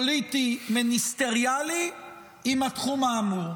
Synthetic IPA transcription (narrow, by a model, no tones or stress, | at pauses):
olit̪iminist̪eʁjali | imat̪χumaːmuʁ